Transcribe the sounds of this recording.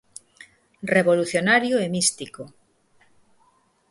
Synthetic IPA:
reβoluθjonaɾjoɛmist̪iko

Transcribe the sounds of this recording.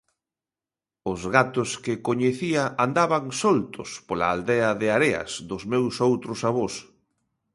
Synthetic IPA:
ʊzɣat̪ʊskɪkoɲeθiɐʔand̪aβaŋsolt̪ʊ̰spola̰ald̪eɐðɪaɾeɐ̰sðʊzmewsowt̪ɾʊsaβos

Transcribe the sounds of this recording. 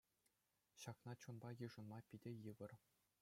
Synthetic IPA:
ɕɑknɑt͡ɕunbɑjɯʐɤ̆nmɑpʲidʲĕjɯʋɤ̆r

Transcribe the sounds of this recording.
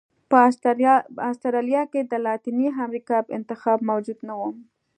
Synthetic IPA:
pə | ast̪aɾɑlijɑked̪əlɑt̪iniɦamɾikɑbɪ̰nt̪ɪxɑbmawd͡ʒud̪nawum

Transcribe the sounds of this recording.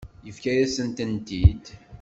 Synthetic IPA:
jəfkæjæsənt̪ənt̪id̪

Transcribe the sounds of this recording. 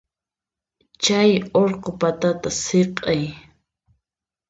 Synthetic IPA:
t͡ʃajoɾqopat̪at̪aseqʼej

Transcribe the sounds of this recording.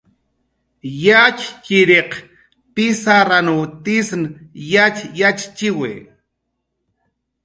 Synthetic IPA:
jakkɪɾeq | pɪsaɾanut̪ɪsnjat͡ʃjat͡ʃt͡ʃɪwḛː

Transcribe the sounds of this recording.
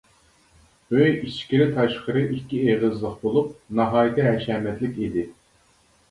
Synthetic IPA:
øjit͡ʃkʲiɾɪt̪ʰɑʃqəɾɨʔikʲʰːieʁəzlˠəqbolˠup̚nɑɦɑːjɨt̪ʰɛɦɛʃɛːmɛt̪lɪkʲid̪ɪ

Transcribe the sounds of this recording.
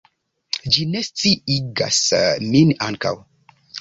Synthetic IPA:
d͡ʒinest͡siiɡa̰sminaŋka̰w

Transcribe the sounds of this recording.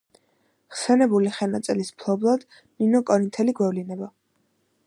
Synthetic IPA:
ʁsɛnɛbuliχɛnat̪sʼɛlispʰlˠɔblˠad̪̥ | ninɔkʼɔɾint̪ʰɛliɡwɛvlinɛba

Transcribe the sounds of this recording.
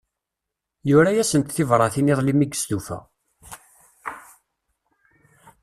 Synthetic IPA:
jʊɾæjæsənt̪θɪvɾˤɑθiniðˤlimiɡə̥st̪ufæ̰

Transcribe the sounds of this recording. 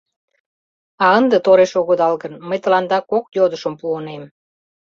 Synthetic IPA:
ɑənd̪et̪oɾeʃoɣod̪ɑlɣənməjt̪ə̆lɑnd̪ɑkokjod̪əʃəmpuonem

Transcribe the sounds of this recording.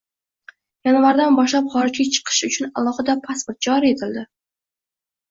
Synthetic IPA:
jɑnvaɾd̪anbɒʃlapχɒɾɪd͡ʒɡʲat͡ʃʰɨ̥qʰɨ̥ʃʊt͡ʃʰʊnalˠɒhɨd̪apʰaspoɾt̪̚d͡ʒɒɾie̞t̪ʰɪld̪ɪ

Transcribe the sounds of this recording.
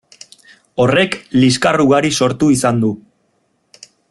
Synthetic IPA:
o̞re̞kliskaruɣaɾiso̞ɾt̪uisand̪u

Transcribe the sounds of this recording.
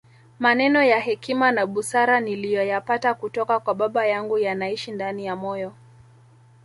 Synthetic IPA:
manɛnɔjahɛkimanaɓusaɾanilijɔjapatakutɔkakwaɓaɓajaŋɡujanaiʃindanijamɔjɔ

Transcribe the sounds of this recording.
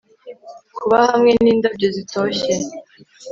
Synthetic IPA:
kʰuβahamŋe̞niːndab̚ɟozitoçe

